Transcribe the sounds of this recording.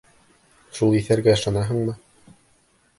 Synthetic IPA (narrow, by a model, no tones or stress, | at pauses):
ʃulˠiθæɾɡæɤ̆ʃɑnɑɦɤ̆ɴmɤ